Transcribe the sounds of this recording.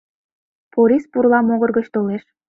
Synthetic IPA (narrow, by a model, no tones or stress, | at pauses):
poɾʲispurlɑmoɣɤ̆rɣət͡ɕt̪oleʃ